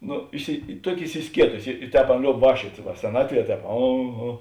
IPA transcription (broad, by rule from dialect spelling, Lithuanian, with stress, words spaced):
ˈnʊ ɪsʲɪ ˈtuɔkʲɪ ɪsʲɪˈsʲkʲiɛtʊsʲɪ ɪ ɪ ˈtʲɛːp ˈɑːˌnɐ ˈlʲoːʊp ˈʋɑːkʃʲt͡ʃʲuɔtʲ ʋɐ sʲɛˈnɑːtʲˌʋʲiɛ ˈtʲɛːp ˈɐ ˈɐ